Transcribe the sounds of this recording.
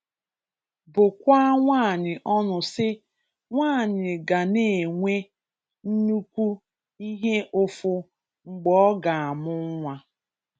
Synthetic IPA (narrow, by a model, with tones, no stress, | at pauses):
bʊ˨kʷa˦ŋʷaː˦˨ɲɪ˨ʔɔ˦nʊ˨sɪ˦ | ŋʷaː˦˨ɲɪ˨ɡa˨ne˨ŋʷe˦ | n̩˦nu˦kʷu˦ | i˦ɦe˦ʔʊ˦fʊ˦ | ŋ͡m̩˨ɡ͡bɔɔ˦ɡa˨a˨mʊ˦ŋʷa˦